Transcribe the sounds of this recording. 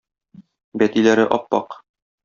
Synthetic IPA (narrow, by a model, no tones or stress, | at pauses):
bæt̪ilæɾɘʔɒpːɑ̰q